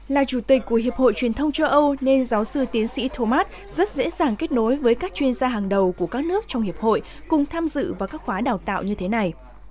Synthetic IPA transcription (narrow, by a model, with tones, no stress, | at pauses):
laː˨˩t͡ɕu˧˩t̪i˨˩k̟̚ʲkːu˧˩əɦi˨˩əp̚ho̰˧˨jt͡ɕwi˨˩ənt̪ʰə˧wŋ͡mt͡ɕə˧wʔə˧wne˧nzaː˨˦wsɨ˧t̪i˨˦ənsḭ˧˥t̪ʰo˧maː˦˥t̚ | zə˦˥t̚zḛ˧˥zaː˨˩ŋke˦˥t̚no˨˦jvəː˨˦jkaː˦˥k̚t͡ɕwi˧ənzaː˧ɦaː˨˩ŋɗə˨˩wku˧˩əkaː˦˥k̚nɨ˦˥ək̚t͡ɕɔ˧wŋ͡mhi˨˩əp̚ho̰˧˨j | kʊ˨˩ŋ͡mt̪ʰaː˧mzɨ̰˧˨vaː˨˩kaː˦˥kxwaː˨˦ɗaː˨˩wt̪a̰ː˧˨wɲɨ˧t̪ʰe˨˦na˨˩j